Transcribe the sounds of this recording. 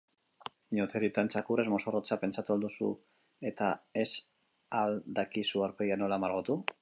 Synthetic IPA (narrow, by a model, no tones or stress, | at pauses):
ɲot̪eɾit̪ant͡sakurezmo̞sorot͡sape̞nt͡ʃat̪uald̪usṵ | e̞t̪ae̞s | ald̪akisuaɾpeiano̞lamaɾɣot̪u